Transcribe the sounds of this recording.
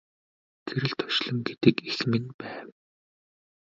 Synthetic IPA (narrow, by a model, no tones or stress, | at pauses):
t͡sʰeɾɘ̆ɮt̪ʰɔ̥ʃɮə̆mɡet̪ɘ̆kexmɘ̆npæːw